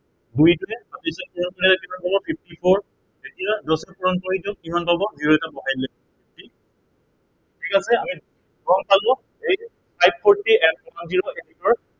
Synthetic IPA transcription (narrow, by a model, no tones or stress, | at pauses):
dujtʊɛatisɔnpuɹɔnkɔɹitɛkibanbʱabɔpʰiftipʰɔɹ | etiadɔsɛpuɹɔnkɔɹitɔk̚imanbʱabɔziɔtabɔɦajdlɛ | pʰif̚ti | tʰikasɛami | ɹɔŋpalʊ | ej | sʰajp̚pʰɔɹtiɛɔtamziɹɔʔetitɔɹ